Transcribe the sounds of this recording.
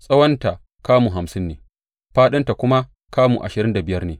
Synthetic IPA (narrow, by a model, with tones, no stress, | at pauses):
sʼɐ˦wɐ˦nta˨ | kaː˦mu˨ɦa˨msɪ˦nːḛː˨ | ɸaː˦ɗɪ˦nta˨kʷʊ˦ma˦ | kaː˦mṵ˨ʔa̰˨ʃɪ˨ɾɪ˦nda˨bɪ˨jɐ˦rneː˨